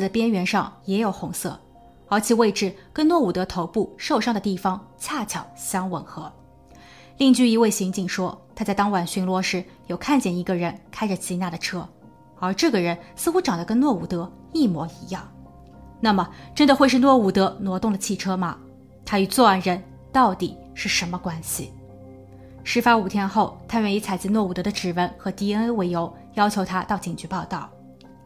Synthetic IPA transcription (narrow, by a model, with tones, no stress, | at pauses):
dpjɛ˥nɥɛ˧˥nʂɑ̰˥˩ŋjɛ˧˥jo˨˩ʊxʊ˧˥ŋsɤ̰˥˩ | ə˞˧˥t͡ɕʰi˨˩we˥˧ɪʈ͡ʂɻ̩˥˩kə˥nnwɔ˥˩u˨˩t̪ɤ˧˥t̪ʰo˧˥ʊpu˥˧ʂo˥˧ʊʂɑ˥˩ŋd̪ə˩t̪i˥˩fɑ˧˥ŋt͡ɕʰja˥˩t͡ɕʰjɑ˨˩˦ʊɕjɑ˥ŋwə˨˩nxɤ˧˥ | li˥˧ŋt͡ɕy˥˩i˧˥we˥˩ɪɕi˧˥ŋt͡ɕi˥˩ŋʂwɔ˥t̪ʰa˥t͡sa˥˩ɪt̪ɑ˥ŋwa˨˩nɕy˧˥nlwɔ˥ʂɻ̩˧˥jo˨˩ʊkʰa˥˧nt͡ɕjɛ˥˩ni˧˥ɡə˧ɻə˧˥nkʰa˥ɪʈ͡ʂə˩t͡ɕʰi˧˥na˥˩d̪ə˩ʈ͡ʂʰɤ˥ | ə˞˧˥ʈ͡ʂɤ˥˩ɡə˩ɻə˧˥nsɹ̩˥˧xu˥ʈ͡ʂɑ˨˩d̪ə˦kə˥nnwɔ˥˩u˨˩t̪ɤ˧˥ | i˥˩mwɔ̰˧˥i˧˥jɑ˥˩ŋ | na˥˩mə˩ʈ͡ʂə˥nd̪ə˨xwe˥˧ɪʂ̬ɻ̩˥˧nwɔ˥˩u˨˩t̪ɤ˧˥nwɔ˧˥t̪ʊ˥˩ŋd̪ə˩t͡ɕʰi˥˩ʈ͡ʂʰɤ˥mɐ̰˨ | t̪ʰa˥y˨˩t͡swɔ˥˧wa˧˩nɻə˧˥n | t̪ɑ˥˩ʊt̪i˨˩˦ | ʂɻ̩˥˩ʂə˧˥nmə˧kwa˥nɕḭ˨ | ʂɻ̩˥fa˥u˨˩t̪ʰjɛ˥nxo˥˩ʊt̪ʰa˥ɥɛ˥˩ni˧˥t͡sʰa˨˩ɪt͡ɕi˥nwɔ˥˩u˨˩t̪ɤ˧˥d̪ə˧ʈ͡ʂɻ̩˨˩wə˧˥nxɤ˧˥t̪i˥ə˥nə˥we˧˩ɪjo˧˥ʊ | jɑ˥ʊt͡ɕʰjo˧ʊt̪ʰa˥t̪ɑ˥˩ʊt͡ɕi˨˩ŋt͡ɕy˧˥pɑ˥˧ʊt̪ɑ˥˩ʊ